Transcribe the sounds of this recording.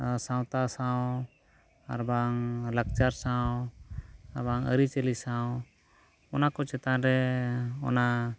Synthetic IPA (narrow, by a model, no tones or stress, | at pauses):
sawt̪asaw | aɾbaŋlək̚t͡ʃaɾsãw | aɾbaŋə̰ɾit͡ʃəlisaw | ɔnakɔt͡ʃɛt̪aɾɛɔ̰na